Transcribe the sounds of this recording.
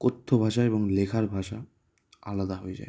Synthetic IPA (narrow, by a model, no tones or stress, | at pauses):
kot̪ʰːobʱaʃaeboŋlekʰaɾbʱaʃa | a̰lad̪aɦoed͡ʑa̰e